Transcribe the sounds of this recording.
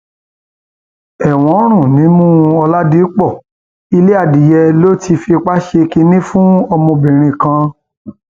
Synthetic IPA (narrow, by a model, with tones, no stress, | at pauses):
ɛ˦˨w̃ɔ̃˨˦ɾ̃ũ˦˨nĩ˨˦mũ˦ɔ˧la˦di˦k͡pɔ˦˨ | i˧le˦a˦˨di˨˦jɛ˧lo˦ti˧fi˧k͡pa˦ʃe˧ki˧nĩ˦fũ˦ɔ˧mɔ̃˧bĩ˨ɾ̃ĩ˧˨kã˧